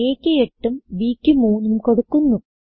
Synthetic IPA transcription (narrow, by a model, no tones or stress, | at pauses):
eːkʲːɨeʈːumʋiːkʲːɨmuːnːumkoɽukːunːu